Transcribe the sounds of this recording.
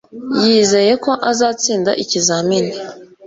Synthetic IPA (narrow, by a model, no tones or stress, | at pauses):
jiːze̞je̞ko̞ʔazaːt͡siːnda̰ʔicizamini